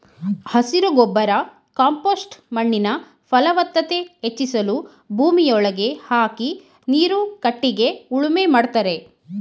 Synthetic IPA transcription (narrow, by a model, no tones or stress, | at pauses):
hɐsiɾuɡɔbːɐɾɐ | kaːmpoːsʈmɐɳːinɐ | fɐlɐʋɐt̪ːɐt̪e̞et͡ʃːisɐlu | bʱuːmijɔɭɐɡe̞haːki | niːɾukɐʈːiɡe̞uɭumemaːɖt̪aːɾe̞